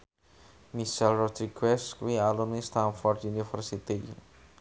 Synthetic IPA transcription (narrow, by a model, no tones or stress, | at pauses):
miʃɛlrɔd̪ɾiɡɛskuwialunist̪anfɔrd̪junifərsit̪i